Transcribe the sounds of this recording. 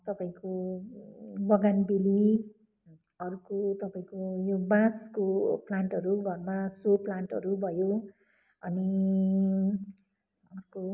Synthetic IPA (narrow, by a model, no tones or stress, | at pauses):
t̪ʌpaĩko | bʌɡanbili | ʌɾukot̪ʌpaĩkojobaskoplaɳʈɦʌɾuɡʱʌrmasoplaɳʈʌ̰ɾubʱʌjo | ʌni | ʌɾuko